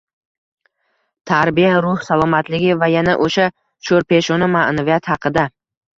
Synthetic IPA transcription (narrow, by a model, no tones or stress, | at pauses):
t̪ʰaɾbijaɾʊhsalˠɒmat̪lɪɡʲɪvajanaʔoʃa | ʃoɾpe̞ʃɒnɪmaʔnavijat̪hɑqʰɨd̪a